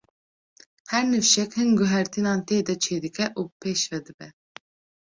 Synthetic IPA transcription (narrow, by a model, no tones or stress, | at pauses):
hɛɾnɨfʃɛkhɨnɡuɦɛɾt̪ʰinɑːnt̪eːd̪ɛt͡ʃʰeːd̪ɨkʰɛʔuːbpʰeːʃvɛd̪ɨbɛ